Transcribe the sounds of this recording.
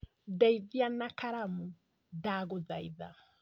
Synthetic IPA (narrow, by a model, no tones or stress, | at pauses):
dɛiðianakaɾamu | daɣoðaiða̰